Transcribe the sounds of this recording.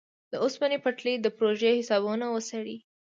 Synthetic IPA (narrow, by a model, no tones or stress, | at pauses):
d̪əʊsmanepəʈlid̪əpɾoʒehɪsɑβunawəsaɽi